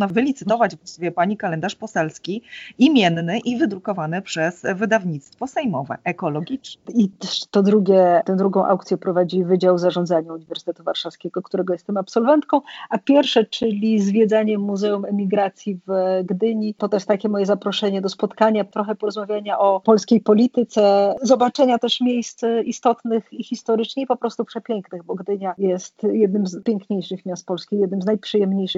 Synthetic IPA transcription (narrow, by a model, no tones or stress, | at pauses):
navɘlʲit̪sɘt̪ɔvad͡ʑvɡasuvʲjɛpaɲikalɛnd̪aʂpɔsɛlskʲiimʲjɛnːɘʔivɘd̪ɾukɔvanɘpʂɛzvɘd̪avɲit̪st̪fɔsɛjmɔvɛ̰ʔɛkɔlɔɡʲit͡ʂnɛit̪t̪ɔd̪ɾuɡʲɛt̪ɛ̃d̪ɾuɡɔ̃w̃ʔa̰wkt̪sʲjɛpɾɔvad͡ʑivɘd͡ʑawzaʐɔ̃nd̪zaɲauɲivɛɾsɨ̥t̪ɛt̪uvaɾʂafskʲɛɡɔkt̪uɾɛɡɔjɛst̪ːɛmapsɔlvɛnt̪kɔ̃w̃apʲjɛɾfʂɛt͡ʂɘlʲizvʲjɛd̪zaɲɛmːuzɛumɛmʲiɡɾat̪sʲjivɡd̪ɘɲit̪ɔt̪ɔjɛst̪akʲɛmɔjɛzapɾɔʂɛɲɛd̪ɔspɔt̪kaɲat̪ɾɔxɛpɔɾɔzmavʲjaɲaʔɔpɔlskʲejpɔlʲit̪ɘt̪sɛzɔbat͡ʂɛɲat̪ɛʂmʲjejst̪sist̪ɔt̪nɘxixʲist̪ɔɾɘt͡ʂɲɛipɔpɾɔst̪upʂɛpʲjɛŋknɘɣbɔɡd̪ɘɲajɛst̪jɛd̪nɘmzpʲjeŋkɲejʂɘxmʲast̪̚pɔlskʲijɛd̪nɘmznajpʂɘjɛmɲejʂɘ